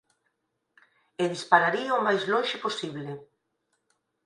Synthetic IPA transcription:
eðispaɾaɾiaomajzlõnʃeposiβle

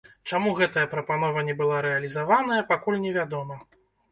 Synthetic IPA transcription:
t͡ʂamuɣɛt̪ɐjɐpɾɐpanɔvɐnʲɛbɨlˠaɾɛɐlʲizavanɐjɐpakulʲnʲɛvʲad̪ɔmɐ

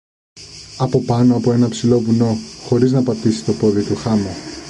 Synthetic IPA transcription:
ɐpo̞pɐno̞ɐpo̞e̞nɐpsilo̞vuno̞xo̞ɾiznɐpɐt̪isi̥t̪o̞po̞ðit̪uxɐmo

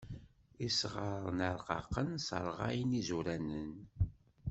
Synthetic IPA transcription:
isʁəɾˤnəɾˤqɑ̰qːənsə̰ɾˤʁa̰jnizuɾænən

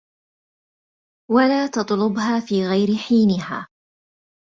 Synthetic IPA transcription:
walaːt̪ɑt̪ˤlʊbɦaːfiːɣajɾɪħiːnɪha̰ː

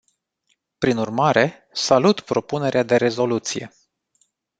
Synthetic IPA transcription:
pɾinurmaɾe̞ | salut̪pɾo̞pune̞ɾead̪e̞ɾe̞zo̞lut̪sije̞̰

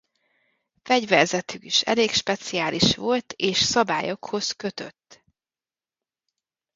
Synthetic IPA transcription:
fɛɟvɛrzɛt̪ykiʃɛ̰leːkʃpɛt̪siaːliʃʋo̞lt̪eːʃsɒbaːjo̞kho̞zkø̞t̪ø̞̰t̪ː

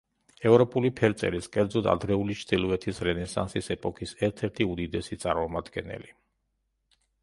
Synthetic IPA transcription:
ɛvɾɔpʼulipʰɛɾt̪sʼɛ̰ɾiskʼɛɾd̪zɔd̪a̰d̪ɾɛulit͡ʃʰd̪̥ilˠɔɛt̪ʰisɾɛnɛsa̰nsisɛpʼɔkʰisɛɾt̪ʰɛɾt̪ʰiud̪id̪ɛsit̪sʼaɾmɔmad̪ɡɛnɛ̰li

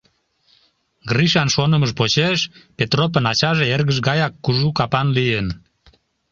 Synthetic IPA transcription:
ɡriʃɑnʃonəməʃpot͡ɕeʃpet̪rop̬ənɑt͡ɕɑʒeerɣəʃ̬ɣɑjɑkːuʒukɑpɑnlijən

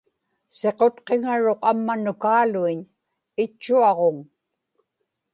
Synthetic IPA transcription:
se̞qo̞t̪qeŋaɻoqamːanʊkaːluiɲ | ɪt͡ʃːuɑʁoŋ

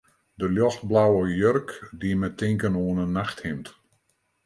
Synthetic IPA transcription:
dəljɔxt̚blawəjørkdimɛtɪŋkənoənənaxthɪmt

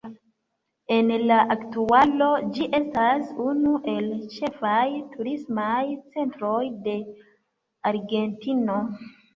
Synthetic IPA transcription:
e̞nlaʔaktualo̞d͡ʒiʔe̞stasunuʔe̞lt͡ʃe̞fajtʰuɾismajt͡se̞ntɾo̞jde̞ | aɾɡe̞ntino̞

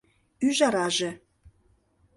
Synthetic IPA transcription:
yʒɑɾɑʒĕ

